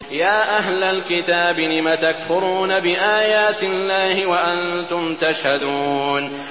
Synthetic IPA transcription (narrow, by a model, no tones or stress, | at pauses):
jaːʔaɦlalkɪt̪aːbɪlɪmat̪akfʊɾuːnabɪʔaːjaːt̪ɪlːaːhɪwaʔant̪ʊmt̪aʃhad̪uːn